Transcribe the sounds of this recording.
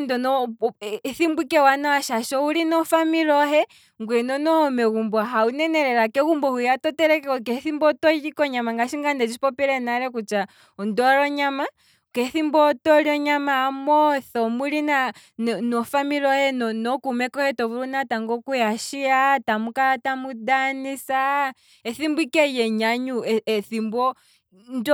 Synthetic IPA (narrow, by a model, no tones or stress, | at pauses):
ndɔnɔ | θimbikɛwanawaʃaʃɔuɾinɔfamiɾɔɦɛ | ŋɡwɛnɔnɔhɔmɛɣumbɔɦaunɛnɛɾɛɾakɛɣumbɔhujatɔtɛɾɛkɛɔkɛθimbɔtɔikɔɲamaŋɡaʃiŋɡandɛd͡ʒiipɔpɛɾɛnaɾɛkut͡ʃa | ɔndɔɾɔɲama | kɛθimbɔtɔɾiɔɲamaːmɔθɔmuɾinanɔfamiɾɔjɛnɔnɔkumɛkɔhɛtɔβuɾunataŋɡɔkujaʃiatamukaɾatamudanisa | ɛθimbwikɛjɛɲaɲuθimbɔ | nd